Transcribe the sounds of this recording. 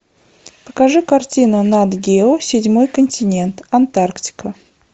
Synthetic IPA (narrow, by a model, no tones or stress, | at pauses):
pə̥kɐʐɨkɐrtʲinʊnad̪ɡʲeʊsʲɪdʲmojkənʲtʲɪnʲent̪ɐnt̪arktʲɪ̥kə